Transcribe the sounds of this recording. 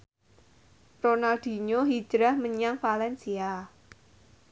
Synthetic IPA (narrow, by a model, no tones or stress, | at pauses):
ronald̪̥i̤ɲoɦi̥ʒ̥ɾahməɲaŋfalɛnsia